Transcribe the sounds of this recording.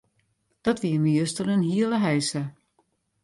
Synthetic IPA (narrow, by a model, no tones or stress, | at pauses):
d̥ɔtʋiəmijøstənənɦiələɦɛjsə